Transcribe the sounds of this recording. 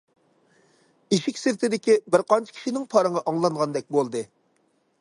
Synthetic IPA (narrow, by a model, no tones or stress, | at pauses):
iʃɪkʲsɪɾt̪ʰɪd̪ɪkʲibɪɾqɑnt͡ʃʰi̥kʲʰi̥ʃinɪŋpʰɑɾɨŋɑʔɑŋlˠɑŋʁɑnd̪ɛk̚ʲbolˠd̪ɨ